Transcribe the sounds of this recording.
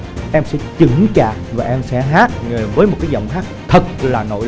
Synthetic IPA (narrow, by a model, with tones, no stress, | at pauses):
ʔɛ˧msɛ̰˧˥t͡ɕɨ˧˦ŋt͡ɕaː˨˩k̚vaː˨˩ʔɛ˧msɛ̰˧˥ɦaː˦˥t̚ŋe˨˩vəː˨˦jmo˨˩t̚kaː˨˦jzə̰˧˨wŋ͡mɦaː˦˥k̚t̪ʰə˨˩t̚laː˨˩no̰˧˨